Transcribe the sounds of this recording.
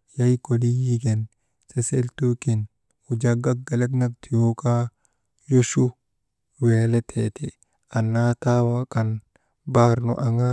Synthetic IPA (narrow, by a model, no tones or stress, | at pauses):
jɐjkɔlijiɡɛn | sɛselt̪ukɪn | ʊd͡ʒaɡɐɡɐlɛt̪nɐk̚t̪ʰjoka | jɔʃu | weːlɛt̪ʰeːt̪ɪ | ɐnːaːt̪aːwakʼɐn | baːɾnɔ̰ʔɐŋa